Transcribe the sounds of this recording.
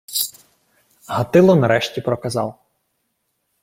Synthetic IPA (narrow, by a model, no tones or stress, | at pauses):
ɦɐt̪ɪlˠɔnɐɾɛʃtʲipɾɔkɐzɑw